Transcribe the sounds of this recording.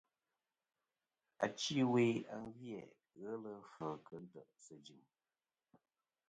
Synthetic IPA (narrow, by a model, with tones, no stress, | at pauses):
a̰˨t͡ʃi˦we˨˦a˨ŋvjɛ˨ | ɣə˦lə˦fəː˨kə˦n̩˦tə˨ʔsə˨d͡ʒi˨m